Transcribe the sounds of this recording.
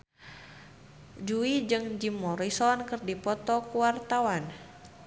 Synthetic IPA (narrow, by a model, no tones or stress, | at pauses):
d͡ʒuid͡ʒɨŋd͡ʒimɔɾisɔnkɨrdipɔt̪ɔkuwart̪awan